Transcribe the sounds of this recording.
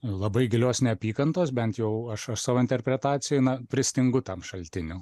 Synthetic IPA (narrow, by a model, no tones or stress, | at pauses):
lˠɐbɐɪɡʲɪlʲoːsnʲɛɐpʲiːkɐnt̪oːsbʲɛnt̪jɛʊɐʃɐʃsɑːʋoːɪnʲt̪ʲɛrʲpʲɾʲɛt̪ɑːtt͡s̪ʲɪjɛnɐpʲɾʲɪsʲt̪ʲɪŋɡʊt̪ɐmʃɐlʲt̪ʲɪnʲʊ